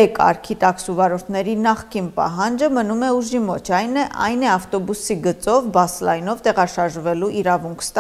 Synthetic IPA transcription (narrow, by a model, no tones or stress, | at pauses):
ɛkʰɑ̰ɾkʰit̪ɑksuvɑɾɔɾt̪ʰnɛɾinɑχkinpɑ̰ɦɑnd͡ʒəmənumɛuʒimɔt͡ʃʰɑjnɛʔɑ̰jnɛɑft̪ɔbusiɡət͡sɔvbɑslɑjnɔvt̪ɛʁɑʃɑɾʒvɛluʔiɾɑvuŋkʰst̪